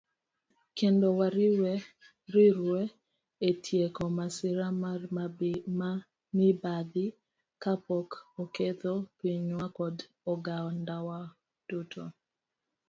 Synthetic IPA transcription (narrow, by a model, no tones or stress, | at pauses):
kendowaɾɪwe | ɾiɾwe | etʰjekɔmasɪɾa | ma | nibad̪ɪ | kapɔkoket̪opiɲwakɔd | ɔɡaɔndawa | d̥utʰo